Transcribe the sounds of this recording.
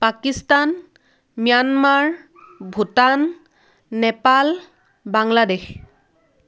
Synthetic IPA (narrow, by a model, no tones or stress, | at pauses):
pakistan | mijanmaɹ | bʱutanː | ɛpal | baŋladex